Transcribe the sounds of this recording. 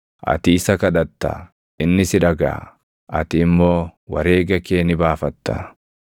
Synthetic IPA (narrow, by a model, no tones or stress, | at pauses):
ʔɐ̰t̪iːɪsɐkɐᶑɐt̪ːa̰ | ʔɪnːɪsɪᶑɐɡa̰ː | ʔɐt̪ɪːmːo̞ːwɐɾe̞ːɡɐkeːnɪbaːfɐt̪ːɐ